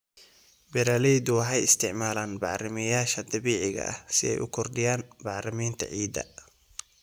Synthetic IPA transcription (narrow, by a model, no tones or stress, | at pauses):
bɛɾaːlɛd̪ʊwɑħɑjɪst̪ʰɪʕmaːlaːnbɑʕrɪmɐjaːʃɐd̪ɐβiːʕɪɣɐ̰ʔɐ̰hsɪɛ̰jʔʊkʰɔrd̪ɪjaːnbɑʕrɐmiːnt̪ʰɐ̰ʕiːd̪ɐ̰